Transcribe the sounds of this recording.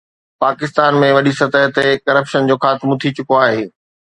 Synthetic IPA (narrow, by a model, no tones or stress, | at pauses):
paːkɪst̪aːnmẽʋɐɗisɐt̪əɦt̪ekɐɾəpʃənd͡ʑoːxʰaːt̪ɪmʊt̪ʰit͡ɕʊkoaːɦeː